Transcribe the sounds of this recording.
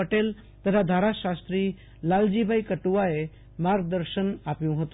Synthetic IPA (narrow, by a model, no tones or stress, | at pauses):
əʈel | t̪əɾʰad̪ʱaɾaʃast̪ɾiː | lald͡ʑibʱaikəʈuʋae | maɾd̪əɾʃənapjũɦət̪